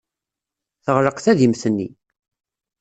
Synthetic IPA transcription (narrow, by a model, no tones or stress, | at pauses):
θəʁɾəqθæðimθənːḭ